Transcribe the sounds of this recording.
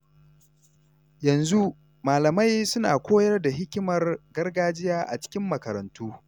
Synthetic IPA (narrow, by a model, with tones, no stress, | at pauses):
jɐ˨nzu˦ | maː˨lɐ˨ma˦jsʊ˦na̰ː˨kʷoː˦jɐ˦rda˨ɦɪ˦kʲɪ˦mɐ˨rɡɐ˦rɡaː˦d͡ʒɪ˦jaː˦ʔa̰˨t͡ʃɪ̥˦kʲɪ˦mːɐ˨kɐ˨ɾɐ̰˨ntuː˦